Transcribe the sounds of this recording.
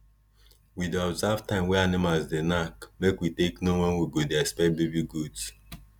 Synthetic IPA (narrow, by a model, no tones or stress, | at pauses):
widɔbzavtãɪ̃mwɛanimalzdenakmekwiteknowɔ̃nwiɡodeɛkspɛt̚bibiɡud